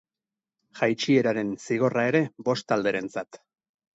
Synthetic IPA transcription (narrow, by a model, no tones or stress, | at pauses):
ʝajt͡ʃie̞ɾaɾe̞nsiɣ̞o̞rae̞ɾe̞bo̞st̪ald̪e̞ɾe̞nt͡sat̪